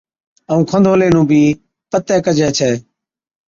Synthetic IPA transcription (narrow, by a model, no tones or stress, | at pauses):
əũːkʰənd̪ʱoːleːnũːbʱiː | pət̪ɛːkəd͡ʒʱɛːt͡ʃʰɛː